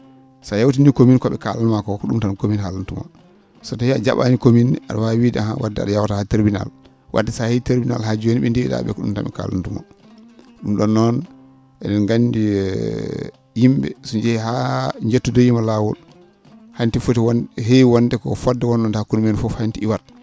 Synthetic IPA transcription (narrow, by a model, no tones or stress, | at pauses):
sajawt̬inikominkɔɓɛ̰kalanmakɔkɔɗumtankominhalantuma̰ | sɔtɔhiad͡ʒaɓanikominʔa̰ɗawawidaha̰wadːɛa̰ɗajawatahateɾbina̰l | wʔa̰dːɛsaheteɾbina̰lad͡ʒuweniɓɛndiɗa̰ɓɛ̰kɔɗṵmta̰mɛ̰ka̰la̰ntuma̰ | ɗumɗɔnːɔn | ʔɛnɛnɡandi | jimbɛ̰sɔɲd͡ʒɛɦaɲd͡ʒetːudɔjimalawɔ̰l | hantifotiwɦewandɛkɔ̰fɔdːɛwɔnɗɔndhakunmenfɔfantiiwat